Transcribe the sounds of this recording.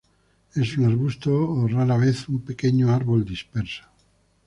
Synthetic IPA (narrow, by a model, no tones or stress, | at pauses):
esuŋaɾβust̪oːraɾaβ̞eθumpekeɲoaɾβo̞ld̪ispeɾsḁ